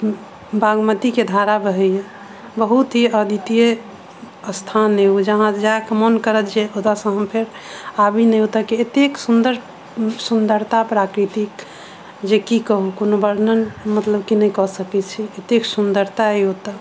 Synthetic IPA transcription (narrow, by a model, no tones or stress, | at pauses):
bʱaɡmət̪iked̪ʱaɾabəɦɛje | bəɦut̪ɦiəd̪ʱit̪ije | əst̪ʰaneɦud͡ʒəɦãd͡ʒakmənkəɾət̪d͡ʒeot̪asə̃ɦəmpʰeɾ | abinəjɦot̪akiet̪eksund̪əɾ | sund̪əɾt̪apɾakɾit̪ik | d͡ʒekikəɦukonobəɾnənmət̪ləbkinəjkɔsəkɛt͡ʃʰiet̪eksund̪əɾt̪aiɦot̪a